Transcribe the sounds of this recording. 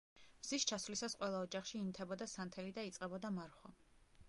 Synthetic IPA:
bz̥iʃt͡ʃʰasvlisasqʼwɛlˠaɔd͡ʒaχʃiːnit̪ʰɛbɔd̪asant̪ʰɛlid̪ait̪sʼqʼɛbɔd̪amaɾχwa

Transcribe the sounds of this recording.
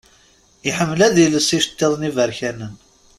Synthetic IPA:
iħəmːlæðiləsiʃə̥t̪ːeðˤnivəɾçænən

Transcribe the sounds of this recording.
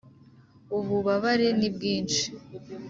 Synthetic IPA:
uβuβaβaɾenibɡiːnt͡ʃi̥

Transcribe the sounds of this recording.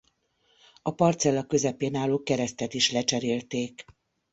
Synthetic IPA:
ɒpɒrt̪sɛlːɒkø̞zɛpeːnaːloːkɛɾɛst̪ɛt̪iʃlɛt͡ʃɛɾeːlt̪eːk

